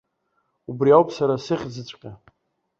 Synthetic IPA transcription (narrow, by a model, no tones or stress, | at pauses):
ubriawpʼsaɾasɨχʲd͡zɨt͡sʷʼqʲʼa